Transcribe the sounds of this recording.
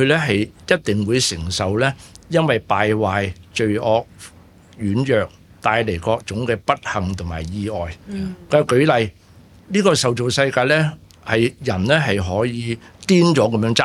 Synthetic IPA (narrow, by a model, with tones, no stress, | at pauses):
ɵ˧lɛː˥ɦɐ˨jjɐ˥t̚t̪ɪ˨ŋwuː˨˧jsɪ˨˩ŋsɐ˨˩wlɛː˥jɐ˥nwɐ˨jpaː˨jwaː˨jt͡ʃɵ˧ɥɔː˧k̚ | jyː˨˥njœː˨k̚t̪aː˧jle˨˩jkɔː˧k̚t͡sʊ˨˥ŋkɛː˧pɐ˥t̚hɐ˨ŋt̪ʰʊ˨˩ŋmaː˨˩jjiː˧ɔː˨˩jkːkɵ˨˥ɥlɐ˨j | niː˥kɔː˧sɐ˨wt͡so˨wsɐ˧jkaː˧lɛː˥ | hɐ˨jjɐ˨˩nlɛː˥ɦɐ˨jɦɔː˨˥jiː˨˧t̪iː˥nt͡sɔː˨˥kɐ˨˦mjœː˧˥ŋt͡sa˥